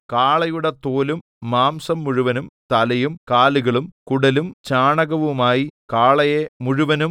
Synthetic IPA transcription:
kaːɭɐjuɽet̪oːlumː | aːmsɐmːuɻuʋɐnumt̪ɐlɐjumkaːluɣɐɭumkuɽɐlumt͡ɕaːɳɐɣɐʋumaːjikaːɭɐjemuɻuʋɐnum

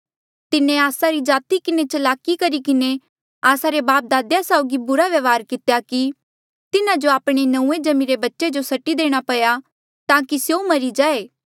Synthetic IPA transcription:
t̪ɪnẽaːsaɾid͡ʒaːt̪ikɪnet͡ʃɐlaːkikɐɾikɪne | aːsaɾebaːp̚d̪aːd̪jasaoɡibʊɾaʋjɐʋaːɾkɪt̪jaki | t̪ɪnãd͡ʒoaːpɽ̃enɐ̃ũːed͡ʒɐmĩɾebɐtːʃed͡ʒosɐʈid̪eːɽ̃apɐja | t̪ãːkisjomɐɾid͡ʒaːeː

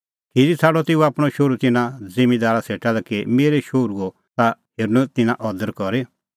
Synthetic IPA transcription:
kʰiɾit͡sʰaːɽɔt̪ɪuaːpɽ̃ɔʃoɾut̪ɪnãzɪmid̪aːɾaseːʈalɛkemeːɾeʃoɾuɡo | t̪aheːɾnũt̪ɪnãʔɔd̪əɾkɔɾe

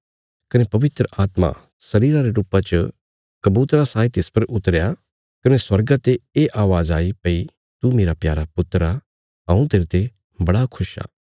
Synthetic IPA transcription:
kɐnepɐʋɪt̪ɾəʔaːt̪mã̰ | sɐɾiːɾãɾeɾuːpat͡ʃə | kɐbuːt̪ɾasaːit̪ɪspɐɾʔʊt̪əɾja | kɐneswɐɾɡat̪eeʔaːʋaːzaːipɐi | t̪umeːɾapjaːɾapʊt̪ɾa | ɦɐ̃ũt̪eːɾt̪e | bɐɽakʰʊʃa̰ː

